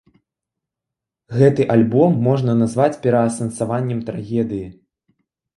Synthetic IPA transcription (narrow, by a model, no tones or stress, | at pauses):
ɣɛt̪ɨʔalʲbɔmːɔʐnɐnazvat͡sʲpʲɛɾɐːsɐnsavanʲːɛmt̪ɾaɣʲɛd̪ɨji